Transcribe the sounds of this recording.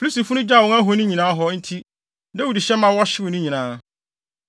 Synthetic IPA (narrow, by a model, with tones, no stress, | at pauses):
pʰu˦si˨fʊ˦nʊ̃˦d͡ʑa˦˨wɔ̃˦ŋa˦ɦo˦nʊ̃˦ɲĩ˨nãː˦ɦɔ˦n̩˦tʰi˦ | nɛ˦wu˨di˨ɕɛ˦mã˦wɔ˦ɕɪ˦wʊ˨nʊ̃˦ɲĩ˨nãː˨˦